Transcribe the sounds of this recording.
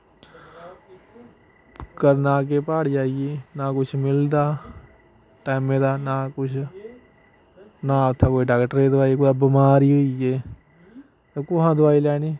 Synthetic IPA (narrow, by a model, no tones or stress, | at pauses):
kəɾnaːk̬epaːɽd͡ʒaːɡenakʊt͡ʃʰmɪld̪aː | ʈaːɪmːed̪aːnakʊt͡ʃʰ | nat̪ʰːakoːiɖaːkʈəɾed̪ʊaːikoabimaːɾiɦoie | t̪okoɦãd̪ʊaːilɛːniː